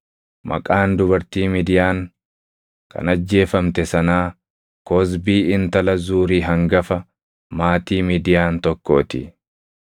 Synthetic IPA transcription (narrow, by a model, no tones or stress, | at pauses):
mɐ̰kʼaːnd̪ʊbɐɾt̪iːmiːd̪ɪjaːŋ | kɐ̰nɐd͡ʒːe̞ːfɐmt̪ɛsɐnaː | kɔs̬biːɪnt̪ɐlɐzuːɾiːɦɐŋɡɐfɐ | maːt̪iːmiːd̪ɪjaːnt̪ɔkːo̞̰ːt̪ɪ